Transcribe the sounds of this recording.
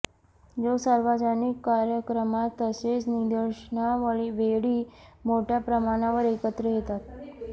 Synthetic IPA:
d͡zosaɾʋad͡ʑanikːaɾjəkɾəmat̪ːəset͡snid̪əɾɕəɳaʋəɭiʋeɽiːmoʈʰjapɾəmaɽ̃aʋəɾekət̪ɾəjet̪at̪̚

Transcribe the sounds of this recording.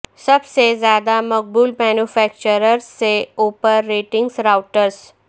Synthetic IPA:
sɐbsezjaːd̪amɐk̚buːlmɛːnufʰɛːk̚t͡ʃəɾəɾsːeoːpəɾːeːʈɪ̃ŋɡsɾaːʊʈəɾs

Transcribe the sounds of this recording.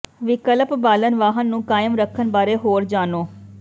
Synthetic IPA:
ʋɪkələpbaːlənʋaːɦənːũːkaːɪmɾəkʰːənbaːɾeːɦoːɾd͡ʒaːnoː

